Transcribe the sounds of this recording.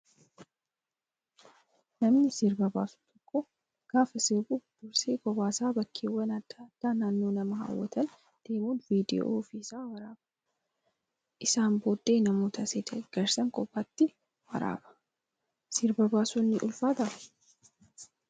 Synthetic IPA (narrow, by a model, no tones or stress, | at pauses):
nɐmnɪsɪɾbɐbaːsʊ̥t̪ʼɔkʼːo | ɡ̥aːfɐsɪːbʊd̪̥ʊɾseːɡɔbaːsaːbɐkʰːeːwːɐnɐd̪ːad̪̥ːaːnaːnːo̞ːnɐmɐha̰ːwːɐ̰t̪ɐn | d̪̥e̞ːmoːnviːd̪ɪo̰ːfisaːwɐɾaːbɐ̥ | ʔɪsaːnboːd̪ːe̞ːnɐmo̞ːt̪ɐseːd̪ɐɡ̥ɐɾsɐŋkʼɔbːat̪ːɪ | wɐ̰ɾa̰ːbɐ̥ | sɪɾbɐbaːsʊnːɪʔʊlfaːt̪ɐ